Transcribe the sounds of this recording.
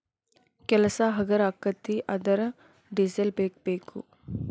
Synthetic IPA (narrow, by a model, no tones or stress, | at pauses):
keləsaɦɐɡəɾaːkːət̪ːiʔɐd̪əɾ | ɖizelpeːk̚peːkṵ